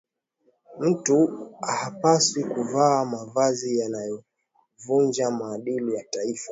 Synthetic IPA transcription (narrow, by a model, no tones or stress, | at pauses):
m̩tuahapaswikuvaːmavazijanajɔ | vund͡ʒamaːɗilijataifa